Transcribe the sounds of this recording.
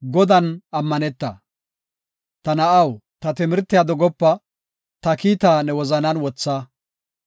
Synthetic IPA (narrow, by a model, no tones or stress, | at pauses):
ɡɔd̪ɐnɐmːɐnɛt̪ːɐ̰ | t̪ɐnɐʔɐwt̪ɐt̪ɪmɪɾt̪ːɪjad̪ɔɡɔpːɐ | t̪ɐkiːt̪aːnɛwɔzɐnɐnwɔt͡sːaː